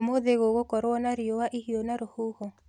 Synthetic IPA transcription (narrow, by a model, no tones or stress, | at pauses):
moðeɣoɣokɔɾwɔnaɾiowaʔihionaɾohuhɔ